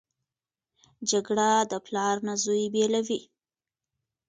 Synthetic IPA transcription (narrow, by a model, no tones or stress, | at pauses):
d͡ʒaɡɽad̪əplɑɾnazujbelawi